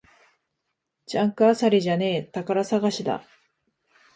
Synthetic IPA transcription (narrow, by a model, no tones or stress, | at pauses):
d͡ʑãŋkɯ̟asaɾʲiʑane̞ːt̪akaɾasaɡaɕid̪a̰